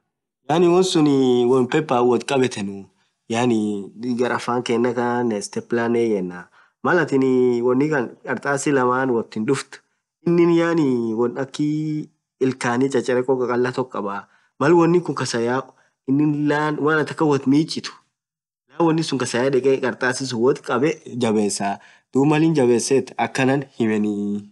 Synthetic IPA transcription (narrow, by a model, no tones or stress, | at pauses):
jaːnɪwɔnsʊnɪwɔlpɛpːaːwɔt̪kʼɐbɛt̪ɛnʊ | jaːnɪɡɐɾʔɐfːaːŋkɛːnːɐkanɛst̪ɛplaːneːjɛnːa | mɐlɐt̪ɪnɪwɔnːɪkɐnkʼɐɾt̪ʼaːsɪlɐmaːnwɔt̪ːɪnᶑʊft̪ʊ̥ | ɪnːɪnjaːnɪwɔnɐkːɪ | ɪlkaːnit͡ʃʼɐt͡ʃʼːɛɾɛkʼːɔkʼɐkʼɐlːɐt̪ɔkʼːɐbaː | mɐlwɔnːɪkʊŋkɐsɐja | ɪnːɪnlaːnwaːnɐt̪ɐkːɐwɔt̪miːt͡ʃʼːɪt̪ʊ̥ | laːwɔnːɪsʊŋkɐsɐjaːᶑɛkʼɛkʼɐɾt̪ʼaːsɪs̬ʊwɔt̪kʼɐbɛd͡ʒɐbe̞ːsːaː | d̪̥uːbmɐlɪnd͡ʒɐbeːsːet̪ɐkːɐnɐnhɪmɛnɪ